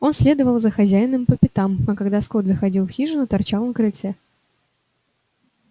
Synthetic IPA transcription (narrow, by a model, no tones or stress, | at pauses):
o̞nsʲlʲe̞d̪əvəlˠzəxɐzʲæjɪnɨmpəpʲɪt̪amɐkɐɡd̪asko̞t̪zəxɐdʲilˠfxʲiʐɨnət̪ɐrt͡ɕalˠnkɾɨsʲɛ